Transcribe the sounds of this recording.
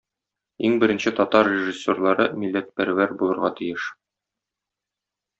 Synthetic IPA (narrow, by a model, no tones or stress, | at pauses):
iŋbɘ̆ɾɘ̆nɕɘt̪ɒt̪ɑrrʲeʒisʲːorlˠɑɾɤmilːæt̪̚pæɾæwæɾbulˠɤ̆ɾʁɑt̪ɘ̆jɘʃ